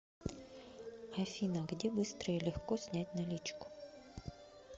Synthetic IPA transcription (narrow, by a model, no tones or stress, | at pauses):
ɐfʲinɐɡdʲɛbɨst̪ɾəjilʲɪxkɔsʲnʲætʲnɐlʲit͡ʃkʊ̥